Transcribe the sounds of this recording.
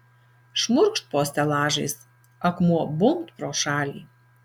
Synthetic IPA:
ʃmʊɾkʃt̪̚poːsʲt̪ʲɛlˠɑːʒɐjs | ɐkmuɔbʊmt̪pɾoːʃɑːlʲḭː

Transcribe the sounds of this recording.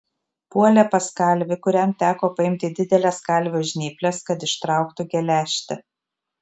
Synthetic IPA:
puɔlʲɛpɐskɐˑlʲʋʲɪkʊɾʲɛmt̪ʲæːkoːpɐɪmʲt̪ʲɪd̪ʲɪd̪ʲɛlʲɛskɐˑlʲʋʲoːʒʲnʲiːpʲlʲɛskɐt̪ɪʃt̪ɾɑˑʊkt̪ʊɡʲɛlʲæːʃʲt̪ʲɪ

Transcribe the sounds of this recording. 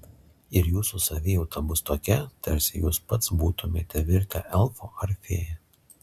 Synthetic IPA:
ɪɾjuːsusɐʋʲɪjɛʊt̪ɐbʊst̪oːkʲɛt̪ɐɾʲsʲɪjuːspɐt̪sbuːt̪ʊmʲeːt̪ʲɛʋʲɪɾʲkʲɛʔɛlˠfoːɐɾʲfʲeːjɛ

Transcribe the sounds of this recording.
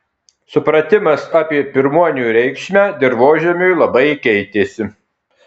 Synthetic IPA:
sʊpɾɐt̪ʲɪmɐsɑːpʲiɛpʲɪɾmuɔnʲuːɾʲɛɪkʃʲmʲæːd̪ʲɪɾʋoːʒʲɛmʲʊjlˠɐbɐɪkʲɛɪt̪ʲeːsʲɪ

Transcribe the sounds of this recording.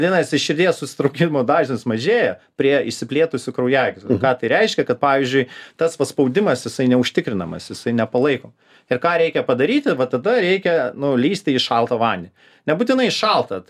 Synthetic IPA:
iɛnɐsɪʃʃʲɪɾʲd̪ʲeːssʊ̥sʲɪ̥t̪ɾɐʊkʲɪmoːd̪ɑːʒʲɪnʲɪsmɐʒʲeːjɛpʲɾʲiɛɪʃʲsʲɪpʲlʲeːt̪ʊsʲʊkɾɐʊjæːɡʲɪskɑːt̪ɐɪɾʲɛɪʃʲkʲɛkɐt̪̚pɑːʋʲizʲd͡ʒʲʊɪt̪ɐsʋɐspɐʊd̪ʲɪmɐsjɪsɐɪnʲɛʊʃʲt̪ʲɪkɾʲɪnɐmɐ̰sjɪsɐɪnʲɛpɐlˠɐɪkoː | ɪɾkɑːɾʲɛɪkʲɛpɐd̪ɐɾʲiːt̪ʲɪʋɐt̪ɐd̪ɐɾʲɛɪkʲɛnʊlʲiːsʲt̪ʲɪɪʃɑlˠt̪ɐʋɑːnʲɪ | nʲɛbʊt̪ʲɪnɐɪʃɑlˠt̪ɐ

